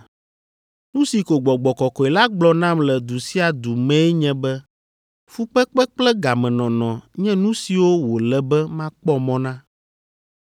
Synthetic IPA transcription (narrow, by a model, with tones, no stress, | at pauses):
nũ˦si˨ko˨ɡ͡bɔ˨ɡ͡bɔ˨kɔ˨kɔ˨e˨la˦ɡ͡blɔ˦nã˦mlɛ˨d̪u˨si˦a˨d̪u˨mɛ̃˦ɛ˦ɲɛ̃˦bɛ˦ | fu˦k͡pɛ˦k͡pɛ˦k͡plɛ˦ɡa˨mɛ̃˨nɔ̃˨nɔ̃˨ɲɛ̃˦nũ˦si˨wo˦wo˨lɛ˨bɛ˦mã˦k͡pɔ˦mɔ̃˦nã˦